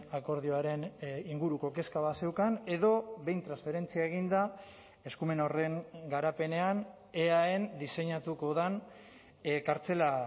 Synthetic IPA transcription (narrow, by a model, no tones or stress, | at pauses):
ako̞ɾðioaɾe̞niŋɡuɾuko̞ke̞skaβase̞wkane̞ðo̞βe̞jnt̪ɾansfe̞ɾe̞nt͡siaeɣ̞ind̪a | e̞skume̞no̞re̞ŋɡaɾape̞ne̞an | eae̞nd̪ise̞ɲat̪uko̞ð̞an | kaɾt͡se̞la